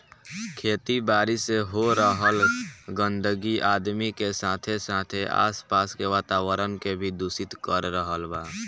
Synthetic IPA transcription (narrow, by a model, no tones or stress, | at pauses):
kʰeːt̪ibaːɾiseɦoɾəɦəlɡə̃nd̪əɡiʔaːd̪mikesaːt̪ʰesaːt̪ʰeʔa̰ːspaːskeʋaːt̪aːwəɾənkebʱid̪uːsɪt̪kəɾːəɦəlbaː